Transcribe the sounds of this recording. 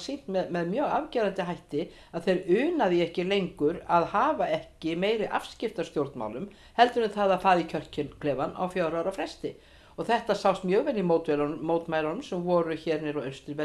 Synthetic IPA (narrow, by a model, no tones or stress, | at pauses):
sin̥t̪mɛðmɛðmjœːɣa̰vcɛːɾant̪ɪɦajht̪ɪ | aðθejɾʏːnaðiɛhcɪlejŋkʏɾaðhaːvaɛhcɪmeːjɾɪʔa̰fscɪft̪ast̪jowɾt̪nma̰wlʏm | hɛlt̪ʏɾʏmθaðafaːɾicʰœr̥cɪkʰlɛːvana̰wfjaːwɾaːwɾafɾɛst̪ɪ | ɔɣθɛht̪asawst̪mjœːɣvɛlːimowt̪vɛlmoːwt̪maːjlanʏmsɛmvɔːɾʏçɛɾnɛɾɔœst̪ɪɾvɛ